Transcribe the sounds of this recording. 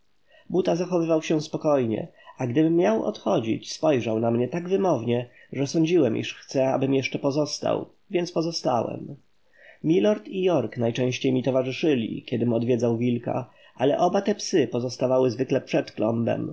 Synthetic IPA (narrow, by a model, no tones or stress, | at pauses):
but̪azaxɔvɘvawɕɛspɔkɔjɲɛ̰aɡd̪ɘbɘmːjawɔ̰t̪xɔd͡ʑḭt͡ɕspɔjʐawnamɲɛt̪aɡvɘmɔvɲɛ | ʐɛsɔɲd͡ʑiwɛmʔḭʂxt̪sɛa̰bɘmjɛʂt͡ʂɛpɔzɔst̪a̰w | vʲjɛnt̪spɔzɔst̪a̰wɛ̰m | mʲilɔɾt̪ijɔɾknajt͡ʂɛ̃w̃ɕt͡ɕejmʲit̪ɔvaʐɘʂɘlʲḭkʲɛd̪ɘmɔd̪vʲɛd̪zawvʲilka̰ | ʔalɛ̰ʔɔbat̪ɛpsɘpɔzɔst̪avawɘzvɘklɛpʂɛt̪klɔ̰mbɛ̰m